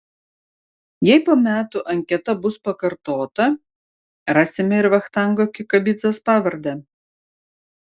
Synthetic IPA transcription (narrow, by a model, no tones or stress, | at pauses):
jɛɪpoːmʲæːt̪ʊʔɐŋʲkʲɛt̪ɐbʊspɐkɐɾt̪oːt̪ɐ | ɾɑːsʲɪmʲɛɪɾʋɐxt̪ɑˑŋɡoːkʲɪkɐbʲɪd̪zospɑːʋɐɾʲd̪ɛ